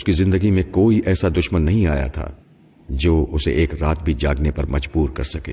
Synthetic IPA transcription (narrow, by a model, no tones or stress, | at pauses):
ʊskizɪ̃nd̪əɡimẽkoːiʔɛːsad̪ʊʃmənːɐɦĩaːja̰t̪ʰa̰ː | d͡ʒoːʊsḛʔeːkɾaːt̪̚bʱid͡ʒaːɡnepɐɾmɐd͡ʒbuːɾkɐɾsɐkḛː